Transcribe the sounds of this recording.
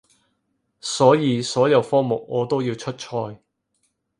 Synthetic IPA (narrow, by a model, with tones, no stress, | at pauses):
sɔː˨˥jiː˨˧sɔː˨˥jɐ˨˧wfɔː˥ŋmʊ˨˩k̚ŋɔː˨˧t̪o˥wjiː˧wt͡ʃʰɵ˥t̚t͡ʃʰɔː˧j